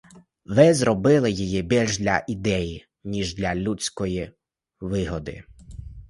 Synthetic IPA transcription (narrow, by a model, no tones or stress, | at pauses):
ʋɪzɾɔbɪlˠɪjijibʲilʲʒd̪lʲɐ̰ʔid̪ɛji | nʲiʒd̪lʲɐlʲut͡sʲkɔji | ʋɪɦɔd̪ɪ̰